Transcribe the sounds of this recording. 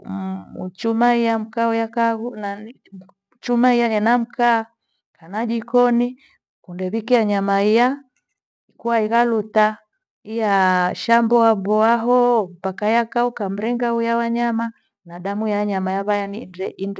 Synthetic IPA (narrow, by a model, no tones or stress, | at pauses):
ṵt͡ʃumaijam̩kaɔjakaɣuna | t͡ʃumaijajanam̩kaː | kanad͡ʒikɔni | kundɛβikijaɲamaija | ikuwaiɣaluta | ijaʃambɔambɔaɦɔm̩pakajakaukam̩ɾɛŋɡaujawaɲama | naɗamujaɲamajaβajanindɛin